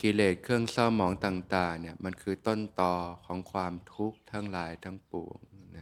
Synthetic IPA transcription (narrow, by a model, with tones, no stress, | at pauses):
ki˧leː˨˩t̪̚kʰɯ˥˩əŋsɔː˥˩mɔː˩˦ŋt̪aː˨˩ŋt̪aː˨˩ŋni˥˩ɐma˧nkʰɯː˧t̪o˥˩nt̪ɔː˧kʰɔː˩˦ŋkʰwaː˧mt̪ʰu˦˥k̚t̪ʰaː˧˥˩ŋlaː˨˩˦jt̪ʰaː˥˩ŋpu˨˩əŋna˦